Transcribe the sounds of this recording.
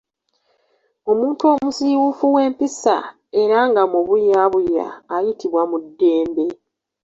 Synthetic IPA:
o̞muːnto̞ːmusiwufuwe̞ːmpisa̰ | e̞ɾaŋɡamuβujaβuja̰ːjitʰiβwamudːe̞ːmbe̞

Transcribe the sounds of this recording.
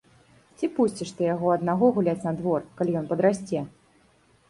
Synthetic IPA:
t͡sʲipusʲt͡sʲiʂt̪ɨjaɣɔɐd̪naɣɔɣulʲat͡sʲnɐd̪vɔrkalʲijɔnpɐd̪ɾasʲt͡sʲɛ

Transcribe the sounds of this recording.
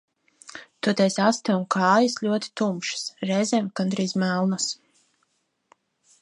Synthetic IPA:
t̪uɔt̪ɛjsast̪ɛunkʰɑːjasʎʲuɔt̪i̥t̪umʃɨ̥sɾɛjzʲɛːmkand̪ɾiːzmælˠnas

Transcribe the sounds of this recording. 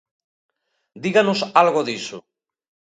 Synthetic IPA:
d̪iɣanusalɣoðisu

